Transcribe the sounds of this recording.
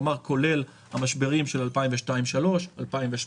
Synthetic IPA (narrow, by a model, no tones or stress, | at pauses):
maʁkʰo̞le̞l | hamaʃbe̞ʁimʃelalpaimveʃtaimʃalo̞ʃalpaimveʃ